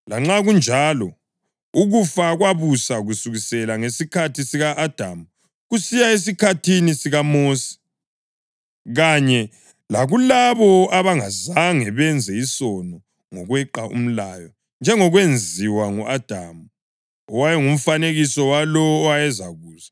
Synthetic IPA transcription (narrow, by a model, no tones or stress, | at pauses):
laŋ͡ǁaɣund͡ʒʱalɔ | uɣufaɣwaβusaɣusuɣisɛlaŋesikʰatʰisiɣaʔːd̥ʱamu | ɣusijaes̬ikʰatʰinisiɣamoːsi̥ | ɣaɲɛ | laɣulaβɔaβaŋazaŋɛβɛnd͡zʱɛisɔnɔ | ŋɔɣwɛǃaʔṵm̩laːjɔ | nd͡ʒʱɛŋɔɣwend͡zʱiwaŋɔʔad̥ʱamu | ɔwajɛŋum̩faneɣisɔwalɔajɛzaɣuːza